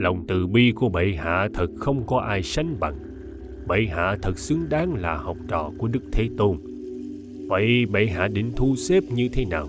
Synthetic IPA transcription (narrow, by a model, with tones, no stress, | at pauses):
lə˨˩wŋ͡mt̪ɨ̰˧˨ɓi˧ku˧˩əɓə̰˧˩jɦa̰ː˧˨t̪ʰə˨˩t̚xə˧wŋ͡mkɔ˨˦ʔaː˧jsa˨˦jŋ̟ɓa̰˧˩ŋ | ɓə̰˧˩jɦa̰ː˧˨t̪ʰə˨˩t̚sɨ˨˦əŋɗaː˨˦ŋlaː˨˩hə˨˩wp̚t͡ɕɔ̰˧˨ku˧˩ənɨ˦˥k̚t̪ʰe˨˦t̪o˧n | və̰˧˨jɓə̰˧˨jɦa̰ː˧˨˩ɗḭ˧˩˨ŋ̟t̪ʰu˧se˦˥p̚ɲɨ˧t̪ʰe˨˦naː˨˩w